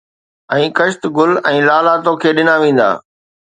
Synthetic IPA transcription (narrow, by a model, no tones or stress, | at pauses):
ɛ̃ːkɐʃt̪ɡʊlɛ̃ːlaːlaːt̪õkʰeːɗɪnaʋẽːn̆d̪a̰ː